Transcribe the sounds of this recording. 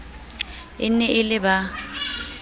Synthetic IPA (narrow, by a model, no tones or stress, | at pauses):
ɪ̰n̩nɛʔɪlɪba